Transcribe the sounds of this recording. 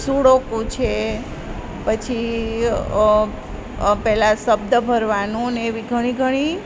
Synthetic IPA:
suɽokũt͡ʃʰe | pət͡ʃʰi | pɛɦlasəb̚d̪əbʱəɾʋanũneːʋiɡʱəɽ̃iɡʱəɽ̃i

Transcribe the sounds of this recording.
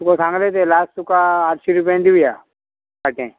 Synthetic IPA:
t̪ukosãːŋɡlet̪elaːsʈt̪ukaatʃiɾupãnd̪iuja | aʈḛ̃

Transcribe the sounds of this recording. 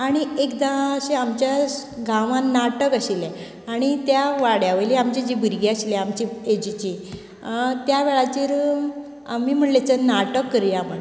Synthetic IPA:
aɽ̃iekd̪ãɕeamt͡ɕjaɡãʋãnːaʈəkəɕile | aɽ̃it̪jaʋaɽjaʋəliamt͡ɕed͡ʑibʱiɾɡeaɕileamt͡ɕied͡ʑit͡ɕi | t̪jaʋeɭat͡ɕ̪iːɾ | amiːm̤əɳʈlet͡sənaʈəkːəɾjama

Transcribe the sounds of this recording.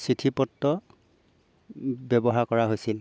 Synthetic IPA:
sitʰipɔtːɔ | bɛbɔɦaɹkɔɹaɦojsil

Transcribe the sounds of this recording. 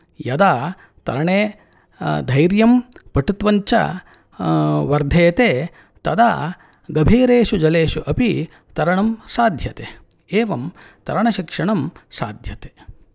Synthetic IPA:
jɐd̪aː | t̪ɐ̰ɾɐɳeː | d̪ʱɐjɾjɐmpɐʈut̪ʋɐɲt͡ʃɐ̰ | ʋɐɾd̪ʱeːt̪eː | t̪ɐd̪a̰ː | ɡɐbʱiːɾeːʃud͡ʒɐleːʃuʔɐpi | t̪ɐɾɐɳɐmsaːd̪ʱjɐt̪e | eːʋɐm | t̪ɐɾɐɳɐʃikʂɐɳɐmsa̰ːd̪ʱjɐt̪eː

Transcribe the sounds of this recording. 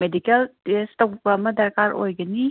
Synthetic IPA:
medikeltestowbɐɐmɐdɐɾkaɾo̰jɡɐni

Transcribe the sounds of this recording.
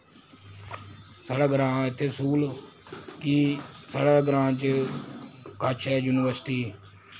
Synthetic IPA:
səɽəɡɾãːɪt̪ʰːeːsuːl | kiːsəɽəɡɾãːt͡ʃ | kaːt͡ʃʰɛːjuːnɪʋəɾsʈiː

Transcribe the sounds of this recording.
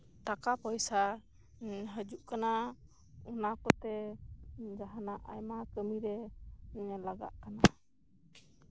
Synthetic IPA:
t̪akapəjsa | ɦəd͡ʒuʔkana | ɔnakɔt̪ɛ | d͡ʒaɦanaʔa̰jmakəmiɾɛ | laɡa̰ʔkana

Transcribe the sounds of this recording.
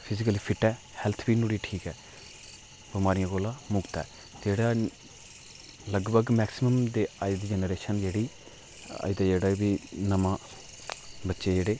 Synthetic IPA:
pʰɪzɪkəliːpʰɪʈɛː | hɛlt̪ʰbiːnuːɽiːʈʰiːkɛː | bɪmaːɾijãːɡoːlãːmʊɡt̪ɛ̰ː | d͡ʒeːɽaː | ləɡbəɡmɛːksɪməmd̪eːaːɪd̪d͡ʒɛːnəɾeːʃənd͡ʒeːɽiː | a̰ːɪd̪aːd͡ʒeːɽaːbiːnəmãː | bətːʃeːd͡ʒeːɽeː

